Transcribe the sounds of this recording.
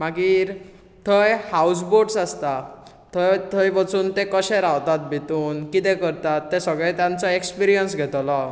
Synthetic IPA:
maɡiːɾ | t̪ʰəjhaus̬boɖsast̪a | t̪ʰət̪ʰəjʋət͡suːnt̪ekəɕɛɾawt̪at̪̚bʱit̪uːnkit̪ɛ̃kəɾt̪at̪ːɛsəɡɭɛ̃t̪jãnt͡sɔekspiɾijənsɡʱɛt̪lɔ

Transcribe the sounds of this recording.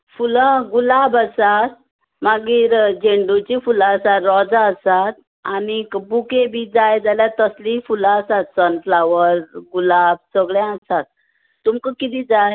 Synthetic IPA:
fuləɡulabəsat̪̚ | maɡiːɾd͡ʑeɳɖut͡ɕifulaəsat̪ɾɔd͡zaəsat̪̚ | anikbukebiːd͡zajd͡zaljat̪əslifulaəsat̪sənflaʋəɾɡulab̚səɡɭãasat̪̚ː | umkəkit̪iːd͡zaj

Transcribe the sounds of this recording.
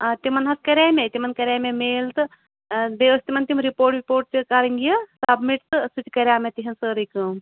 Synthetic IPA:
t̪imɐnɦɐskɐɾʲaːmet̪imɐnkɐɾʲaːmemeːlt̪ɨ | beəst̪imɐnt̪imɾipoːɾʈɾipoːɾʈ̚t͡ʃɨkaːɾiŋɡijɐsabmiʈt̪ɨsut͡ʃkɐɾʲjaːmet̪iɦɐnsəɾikɨm

